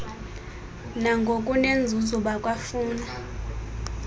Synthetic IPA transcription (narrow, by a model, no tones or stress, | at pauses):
naŋɡʱokʼunend͡zʱuzuɓakʼwafuːna